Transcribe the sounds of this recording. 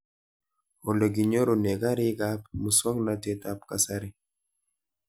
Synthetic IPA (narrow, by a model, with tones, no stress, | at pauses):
o˨lo˨ɡi˨ɲo˦ɾo˨ne˨ɡa˦ɾi˦ɡa˦p̚mu˨swɔ˦ŋna˨˦te˦ta˦p̚ka˨sa˦ɾi˦